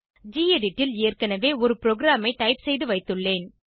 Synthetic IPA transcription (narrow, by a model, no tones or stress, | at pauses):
d͡ʒiːeɖɪʈːɪleːrkɐnɐʋeːɔɾɯpɪɾoɡɪɾaːmɐɪʈɐɪpsɛjðɯʋɐɪt̪ːɯɭːeːn